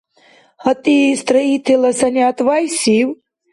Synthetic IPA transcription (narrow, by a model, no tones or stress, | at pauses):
hɐt̪ist̪ɾɐɦit̪ʰelɐsɐnjat̪ʋajsiw